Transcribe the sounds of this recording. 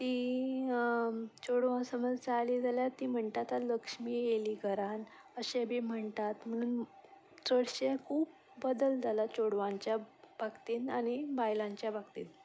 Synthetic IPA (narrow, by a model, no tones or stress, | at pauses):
t̪iː | t͡ɕoɽʋãsəməd͡zt͡saliːd͡zʱaljat̪iːm̤əɳt̪at̪aləkʂmiːjeliːɡʰʱəɾan | əɕebʱiːm̤əɳt̪at̪m̤əɽ̃uːn | t͡səɽɕekʰuːp̚ː | əd̪əld͡zʱalat͡ɕoɽʋãɲt͡ɕjabʱaɡt̪iːnañibajlãɲt͡ɕjabaɡt̪ḭːn